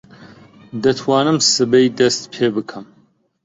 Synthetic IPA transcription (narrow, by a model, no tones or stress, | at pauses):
d̪ɐt̪ʰwɑːnɨmsɨbejd̪ɐst̪pʰeːbɨkʰɨm